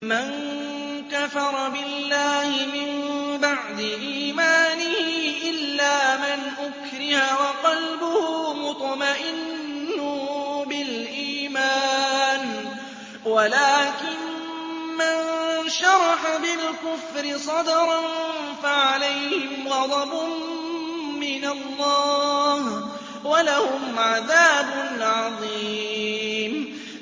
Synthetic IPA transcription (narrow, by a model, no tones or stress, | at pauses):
man | kafɑɾˤɑbɪlːaːhɪmɪmbaʕd̪ɪʔiːmaːnɪhʔɪlːaːmɪnʔʊkɾɪhawɑqɑlbʊhʊmʊt̪ˤmaʔɪnːʊbɪlʔiːmaːn | walaːkɪn | manʃɑɾˤɑħabɪlkʊfɾɪsˤɑd̪ɑɾˤɑn | faʕalajhɪmɣɑd̪ˤɑbʊ | mɪnalːɑːh | walahʊmʕaðaːbʊnʕɑðˤiː | m